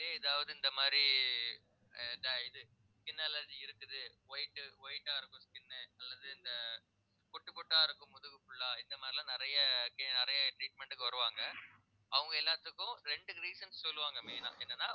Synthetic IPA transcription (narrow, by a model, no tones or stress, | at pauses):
leːɪðaːʋɐðɯɪnd̪ɐmaːd̪ɾi | nd̪ɐɪðɯ | skɪnːɐlɐːd͡ʒiɪɾɯkːɯðɯʋɐɪʈːɯʋɔjʈːaːɪɾɯkːʊ̃skɪnːɯɐlːɐðɯɪnd̪ɐ | kɔʈːɯpɔʈːaːɪɾɯkːʊ̃mʊðɯʋɯfʊɭːaːɪnd̪ɐmaːd̪ɾilãːnɪɾɐjɐkɪnɪɾɐjɐʈɾiːʈ̚mɛɳʈɯkːɯʋɐɾɯʋaːŋɡɐ | ɐʋɐŋɡɐɛlːaːt̪ːɯkːʊ̃ɾɛɳɖɯɾiːsɐnssɔlːɯʋaːŋɡɐmeːnã̰ːʔɛnːɐnːãː